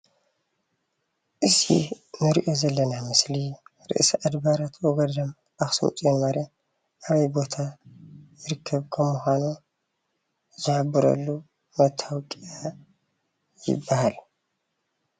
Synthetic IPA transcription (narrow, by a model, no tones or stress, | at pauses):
ʔɨsḭ | nɨɾiʔo̞zɐlːɐnamɨsliɾɨ̰ʔsʔad̪baɾat̪ʰwɔɡɐd̪ɐm | ʔaxsɨ̰mt͡sʼjenmaɾa | ʔaβɐjbo̞t̪ʰajɪɾɨkʰːɐβkʰɐmːuxʷanu | zɨħabːɨɾɐ̰lːu | mɐt̪ʰawkʼija | jɪ̰bːahal